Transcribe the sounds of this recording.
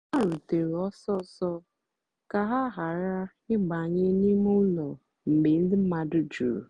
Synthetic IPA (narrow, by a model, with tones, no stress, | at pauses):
a˦˨ɾʊ˨te˨ɾɔ˦sɔ˦sɔ˦ | ka˨ɦa˦ɦa˨ɾa˦ | ɪ˦ɡ͡ba˨ɲɪ˦ni˦m˦ʊ˦lɔ˨ | m̩˨ɡ͡be˨n̩˦dɪ˦m̩˦ma˨dʊ˦d͡ʒṵ˨ɾ